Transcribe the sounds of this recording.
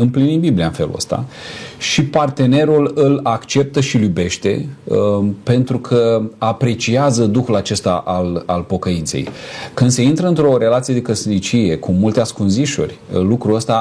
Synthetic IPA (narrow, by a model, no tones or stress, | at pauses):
ɨmplinimbibliaɨnfe̞lṵə̰st̪a̰ʃipart̪e̞ne̞ɾulɨlakt͡ʃe̞p̚t̪əʃilube̞ʃt̪e̞̰ | pe̞nt̪ɾukʰəapɾe̞t͡ʃiazəd̪uxulat͡ʃe̞st̪aʔalalpo̞kəint̪se̞̰jkɨnd̪se̞int̪ɾəɨnt̪ɾo̞ɾe̞lat̪sije̞d̪e̞kəsnit͡ʃije̞kʰumult̪easkunziʃṵrʲlukɾuəst̪a